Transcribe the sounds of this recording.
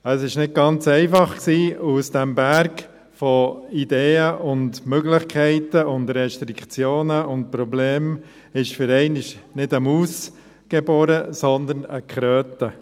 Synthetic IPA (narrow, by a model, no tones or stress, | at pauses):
əsɪʃnɪd̚ɡ̥ɑnt͡sɛɪfɑχksiːusd̥ɛmbæɾɡ | fɔideːəʔʊndmøɡlɪχkʰɛɪtəʊndɾɛʃtɾikʰt͡sjoːnəʊnt̚pɾɔbleːm | ɪʃfʏɾɛɪnɪʃnɪdəmuːs | ɡ̥eboːɾəsɔnd̪ənə̰kχɾøːtə